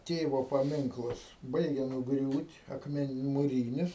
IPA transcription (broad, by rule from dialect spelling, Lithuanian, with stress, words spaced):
ˈtʲeːʋoː pɐˈmʲɪŋklˠɐs ˈbɐɪɡʲɛ nʊˈɡrʲuːtʲ ɐkˈmʲɛn mʊˈrʲiːnʲɪs